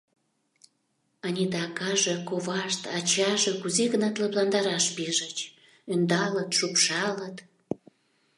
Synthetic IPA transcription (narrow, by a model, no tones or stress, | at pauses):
ɑnʲid̪ɑkɑʒekoβɑʃt̪ɑt͡ɕɑʒekuzeɣənɑt̪ləplɑnd̪ɑɾɑʃpeʒət͡ɕ | ønd̪ɑlət̪ʃupʃɑlət̪